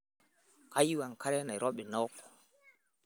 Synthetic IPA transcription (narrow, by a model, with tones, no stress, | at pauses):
ka˦ji˦wa˨ŋka˦ɾɛ˦na˨ɾʔɔ˦ɓɛ˨nɔ˦kɔ̥˨